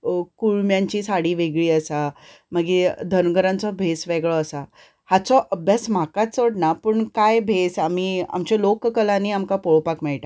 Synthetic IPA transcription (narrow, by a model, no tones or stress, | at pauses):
kuɭmjãɲt͡ɕiːsaɽiːʋeɡɭiːəsaməɡid̪ʱənɡəɾãnt͡sɔbʱesʋeɡɭɔːsa | hat͡sɔʔəbʱjasm̤akat͡soɽnapəɳkajbʱesamiːa̰mt͡ɕɔlokkəlãniamkapoɭpakmɛɭʈa